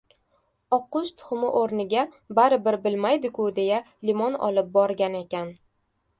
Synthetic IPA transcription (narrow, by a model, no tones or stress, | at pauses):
ɒqʊst̪ʰʊ̥χmɪʔoɾnɪɡʲa | baɾɪbɪɾbɪlmajd̪ɪkʰʲʊd̪e̞ja | limɒnɒ̰lˠɪp̚bɒɾɡʲane̞kʲan